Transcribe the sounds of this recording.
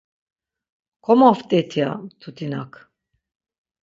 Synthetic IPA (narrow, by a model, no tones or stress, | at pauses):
kʰɔmaft̪ʼɛt̪ʰia̰t̪ʰut̪ʰinakʰ